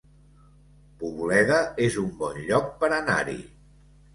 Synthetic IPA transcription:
puβulɛðəezumbɔnʎɔk̚pəɾəna̰ɾḭ

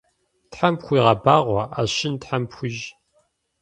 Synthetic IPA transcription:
tħampxʷiːʁɐbaːʁʷɔʔaːɕɪntħampxʷʊʒ

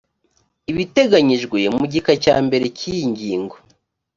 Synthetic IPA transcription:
iβite̞ɡaɲiʒɡwemuɟikaca̰ːmbe̞ɾe̞cijiɲɟiːŋɡo

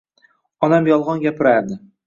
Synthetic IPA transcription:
ɒnamjɒlˠʁɒnɡʲapʰɪɾaɾd̪ɪ

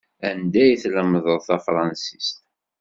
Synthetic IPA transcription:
ænd̪æjθləməðˤəðˤθɑfɾˤɑnsist̪

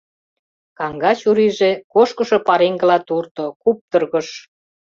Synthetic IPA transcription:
kɑŋɡɑt͡ɕuɾiʒekoʃkə̆ʃo̽pɑɾeŋɡə̆lɑt̪urt̪okup̚t̪ə̆rɣə̆ʃ

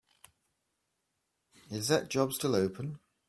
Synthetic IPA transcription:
ɪzðəʔd̥ʒ̥ɒbstʰɪləʊpʰə̃n

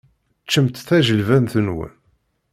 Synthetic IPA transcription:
t͡ʃːəmt̪θæʒəlvænθənwə̰n

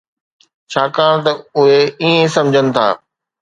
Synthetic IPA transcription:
t͡ɕʰaːkaːɽ̃t̪ɐʊɦeiẽsɐ̃md͡ʑʱənɪ̆t̪ʰa̰ː

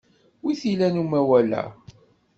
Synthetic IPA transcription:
wiθilænumæwælæ̰

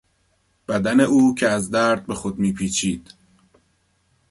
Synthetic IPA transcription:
b̥æd̪æne̞ʔuːcʰeæzd̪æːɾd̪̚be̞xod̪miːpʰiːt͡ʃʰiːd̪̥

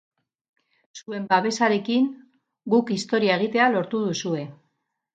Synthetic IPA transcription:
sue̞mbaβe̞saɾe̞kiŋ | ɡukist̪o̞ɾiae̞ɣ̞it̪e̞alo̞ɾt̪uð̞usue̞

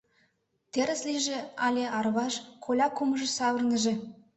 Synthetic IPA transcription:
t̪eɾɘ̆slʲiʒĕɑlʲeʔɑrβɑʃkʰolʲɑkumə̆ʒɤ̆sɑwə̆rnə̆ʒĕ

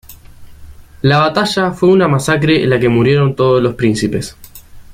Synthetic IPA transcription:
laβat̪aʒafwe̞unamasak̬ɾḛːlake̞muɾje̞ɾo̞nt̪o̞ð̞oslo̞spɾinsipe̞s

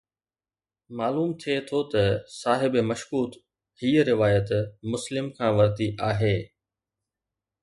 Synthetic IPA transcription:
maːluːmt̪ʰiet̪ʰot̪ɐsaːɦɪbmɐʃkuːt̪ | hiːəɾɪʋaːjət̪mʊslɪmkʰãːʋɐɾt̪iʔaːɦeː

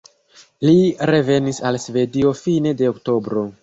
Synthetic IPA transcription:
liɾe̞ve̞nisalsve̞dio̞fine̞de̞okto̞bɾo̞

